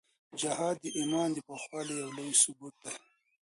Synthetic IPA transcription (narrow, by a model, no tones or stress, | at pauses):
d͡ʒahaːd̪ːiʔimɑːnd̪ipaxwɑːlijawloisubuːt̪̚d̪a